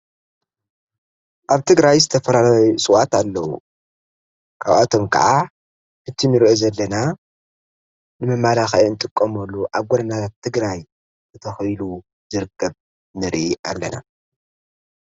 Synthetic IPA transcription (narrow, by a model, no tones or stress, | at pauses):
ʔaβt̪ʰɨɡɾajzɨt̪ʰɐfɐlalajusʼɨwat̪alːɐwṵ | kʰaβat̪ʰo̞mkʰɐ̰ʕa | hɨt̪ʰinɨɾʔozɐlːɐna | nɨmɐmalaxɐɨnt̪ʼɨkʼːɐmɐlːuʔaβɡoɾɐnat̪ʰɨɡɾaj | zɨt̪ʰɐxjlu | zɨɾɨkʰːɐβ | nɨɾia̰lːɐna̰